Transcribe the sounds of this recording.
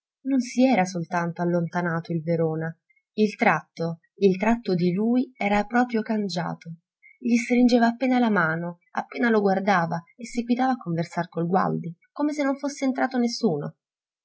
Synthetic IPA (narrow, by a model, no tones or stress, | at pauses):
nonsiɛːɾasolt̪ant̪oalːont̪anaːt̪oilveɾoːna | ilt̪ɾat̪ːo | ilt̪ɾat̪ːod̪iluːjɛːɾapɾɔːpɾjokand͡ʒa̰ːt̪o | ʎist̪ɾind͡ʒeːvaːpːeːnalamaːno | a̰pːeːnaloɡward̪aːvaesːiɡwit̪aːvaːkːoɱversarkolɡwa̰ld̪ikomesenːoɱfosːeːnt̪ɾaːt̪onesːuːno̰